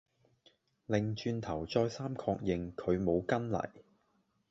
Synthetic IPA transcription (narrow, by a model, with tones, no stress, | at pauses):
lɪ˨ŋt͡ʃyː˧nt̪ʰɐ˨˩wt͡ʃɔː˧jsaː˥mkʰɔː˧k̚jɪ˨˧ŋkʰɵ˨˧ɥmo˨˧wkɐ˥nlɐ̰˨˩j